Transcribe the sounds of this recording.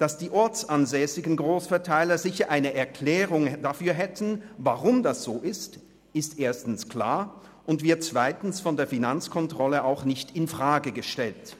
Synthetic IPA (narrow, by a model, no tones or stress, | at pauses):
d̥asd̥iːʔɔɐt͡sanzɛːsɪɡn̩ɡʁoːsfɛɐtʰaɪlɐzɪçɐʔaɪnəʔɛɐkʰl̥ɛːʁʊŋdafyːɐɦɛtn̩vaʁʊmdasz̥oːʔɪst | ɪstʔeːɐstn̩skl̥a̰ːɐ | ʔʊntv̥ɪɐt̚t͡sv̥aɪtn̩sfɔndeːɐfinant͡skʰɔntʁ̥ɔləaʊxnɪçtɪnfʁ̥aːɡəɡəʃtɛlt